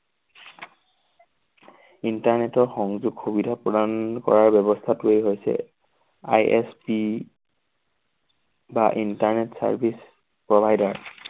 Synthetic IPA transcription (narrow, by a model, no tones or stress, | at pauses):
intaɹnetɔɹxɔŋzuɡxubidʱapɹɔdankɔ̰ɹaɹbɛbɔstʰatʊejɦojsɛ̰ | a̰jʔɛspi | baʔintaɹnetsa̰ɹbʱis | pɹɔbʱajdaɹ